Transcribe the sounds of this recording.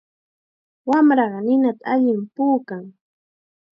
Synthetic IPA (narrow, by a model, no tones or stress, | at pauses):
wamɾɑɢɑnɪnat̪aaʎɪmpuːkaŋ